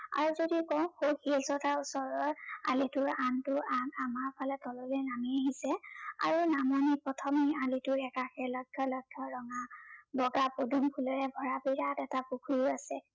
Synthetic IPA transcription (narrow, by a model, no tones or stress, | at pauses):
a̰ɹuzodikɔw̃hokʰilsɔtʰausɔɹɔɹa̰litʊɹantʊanamaɹpʰalɛtɔlɔlɛnamiaɦisɛa̰ɹunamɔnipɹɔtʰɔmialitʊɹɛkaxɛlɔɡʰʱɔlɔɡʰʱjɔɹɔŋabɔɡapodʱumkʰulɔɹɛbʱɔɹabiɹatɛtapukʰujasɛ